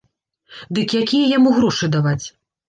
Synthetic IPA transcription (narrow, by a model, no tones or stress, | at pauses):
d̪ɨkjakʲijɐjamuɣɾɔʂɨd̪avat͡sʲ